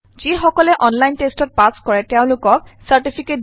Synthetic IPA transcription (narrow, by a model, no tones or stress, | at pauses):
z̥ixɔkɔlɛʔɔnlajntestɔt̚paskɔɹɛtɛʊ̃lʊkɔk̚saɹʈipʰiket̚